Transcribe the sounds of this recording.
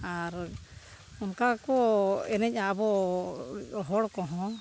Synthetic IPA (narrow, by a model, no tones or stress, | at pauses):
aɾ | unkakɔɛnɛc̚aabɔ | ɦɔɽkɔɦɔ̃